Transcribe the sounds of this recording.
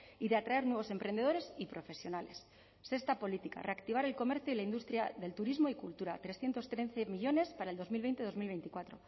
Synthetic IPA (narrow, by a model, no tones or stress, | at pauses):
iðe̞at̪ɾae̞ɾnweβo̞se̞mpɾe̞nd̪e̞ðoɾe̞sipɾo̞fe̞sjo̞nale̞sː | e̞st̪apo̞lit̪ika̰rʔe̞akt̪iβ̞aɾe̞lko̞me̞ɾθjoilaind̪ust̪ɾjaðe̞lt̪uɾizmo̞ikult̪uɾat̪ɾe̞sθje̞nt̪o̞st̪ɾe̞θemiʎo̞ne̞spaɾaeld̪o̞zmilβejnt̪e̞ð̞o̞zmilβe̞jnt̪ikwat̪ɾo̞